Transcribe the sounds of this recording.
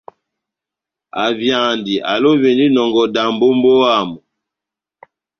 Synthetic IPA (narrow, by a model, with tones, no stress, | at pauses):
a˨vja˨ndi˨ʔa̰˨lo˦ve˨ndi˦nɔ˨ŋɡɔ˨da˨mbo˦mbo˦a˦˨mɔ˨